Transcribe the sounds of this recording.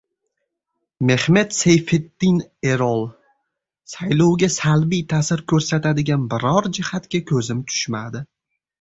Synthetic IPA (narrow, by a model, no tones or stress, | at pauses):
me̞hme̞t̪sejfed̪ːɪne̞ɾɒlˠ | sajlɒwɡʲasalbijt̪ʰasɪɾkʰʲɵɾsat̪ad̪ɪɡʲanbɪɾɒɾd͡ʒɪhat̪kʲakʲʰɵzɪmt̪ʰʊ̥ʃmad̪ɪ